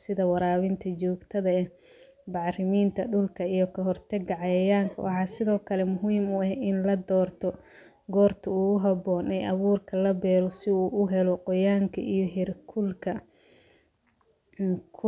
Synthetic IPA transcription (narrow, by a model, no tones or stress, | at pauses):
sɪðɐwɑɾaːβɪnt̪ʰɐt͡ʃɔːɡt̪ʰɐðɐɛ | bɑʕɾɪmiːnt̪ʰɐɖʊlkʰɐijɔkʰɐɦɔrt̪ʰɛɡɑʕɛjaːŋkʰɐ̰wʔɑħɑːsɪðɔːkʰɐlɛmʊɦiːmʊɐhɪnlɐd̪ɔːrt̪ʰɔ | ɡɔːrt̪ʰɐuːɣʊɦɐbɔːnɛjʔɐβuːrkʰɐlɐbɛːlɔsɪuːʔʊɦɛlɔqɔjaːŋkʰɐʔijɔɦɛrkʰʊlkʰɐ | kʰʊ